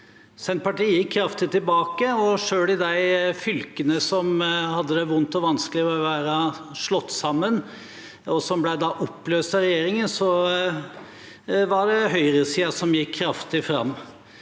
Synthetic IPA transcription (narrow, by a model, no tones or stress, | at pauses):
sɛn̚pɑʈiːəjɪkʰːɾɑft̪ɪt̪ɪlbɑːkəɔʂøːɭɪd̪æɪfʏlkənəsɔmhɑd̪ːəd̪ɛʋʊnt̪ɔʋɑnsklɪɔʋæːɾəʂlɔt̪ːsɑmːən | ɔsɔmblæd̪ɑʔɔpːløːst̪ɑɾɛjeːɾɪŋənsɔ | ʋɑɖɛɦœʏɾəsiːɑsɔmjɪkʰːɾɑft̪ɪfɾɑ̰mː